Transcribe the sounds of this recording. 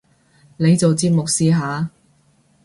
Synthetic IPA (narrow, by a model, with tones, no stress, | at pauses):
ne˨˧jt͡so˨wt͡siː˧p̚mʊ˨k̚siː˨˧ɦaː˨˧